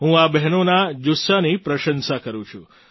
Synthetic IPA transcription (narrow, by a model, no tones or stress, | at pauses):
ɦũabɛɦnonad͡ʒʊsanipɾəʃənsakəɾũt͡ʃʰũ